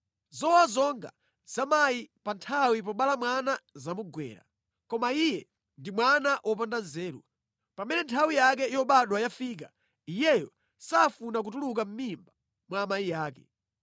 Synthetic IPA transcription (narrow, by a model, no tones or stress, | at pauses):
zɔwazɔŋɡa̰ | z̥amajipantʰawip̬ɔɓalamwanazamuɡwɛ̰ːɾa̰ | kɔmaijɛ | ndimwanaʔɔp̬andanzɛːɾṵ | pamɛnɛntʰawijakɛijɔɓaɗwajafiːk̬a | ijɛjɔ̰ | safunak̬utuluk̬am̩mimba | mwamaijaːkɛ̰